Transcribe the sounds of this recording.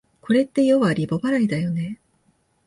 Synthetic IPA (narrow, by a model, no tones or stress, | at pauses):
kʰo̞ɾe̞t̪ːe̞jo̞βaɾʲibo̞baɾaid̪ajo̞ne̞